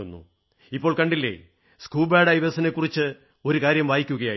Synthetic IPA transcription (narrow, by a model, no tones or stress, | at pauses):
unːṵ | ipːo̞ːɭkɐɳɖilːḛ | skuːlbaːɖɐjʋɐsine̞kːurit͡ɕːɨ | o̞ɾukaːɾjɐmʋaːjikʲːuɣɐjaː